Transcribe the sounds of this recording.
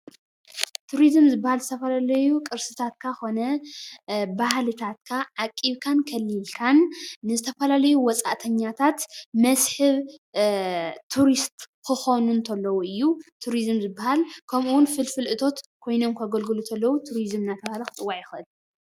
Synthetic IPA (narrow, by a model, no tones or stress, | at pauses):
t̪ʰuɾizmzɨbːahalzɨt̪ʰɐfɐlalɐjukʼɨɾsɨt̪ʰat̪kʰaxo̞nɐ | bahlɨt̪ʰat̪kʰaʕakʼːiβkʰankʰɐlːilkʰanːɨzɨt̪ʰɐfɐlalɐjuwɔt͡sʼa̰ʔt̪ʰɐɲːat̪ʰat̪mɐsħɨβ | t̪ʰuɾist̪ʼkʰɨxonunt̪ʰɐlːɐwuɨjːut̪ʰuɾizɨmzɨbːahalkʰɐmuwʊnfɨlfɨlʔɨt̪ʰo̞t̪kʰo̞jno̞mkʰɐɡɐlɡɨlut̪ʰɐlːɐwut̪ʰuɾizmnat̪ʰɐβahalɐkʰɨt͡sʼɨwːaʕjɪxɨʔɨl